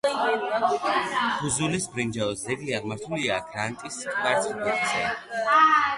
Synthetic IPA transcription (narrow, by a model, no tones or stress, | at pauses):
χuzulisbɾind͡ʒaɔsd̪ɛɡ̪iaʁmaɾt̪ʰuliaɡɾant̪ʼist̪ʼvaɾt̪sʰʼikʼasʰɛ̰